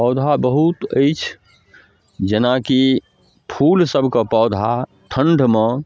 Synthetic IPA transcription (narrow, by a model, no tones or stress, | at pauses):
pɔːd̪ʱabəɦut̪əɪt͡ʃʰ | d͡ʒənaki | pʰulsəbʱkapɔːd̪ʱaʈ̪ʰə̃ɳɖʱmẽ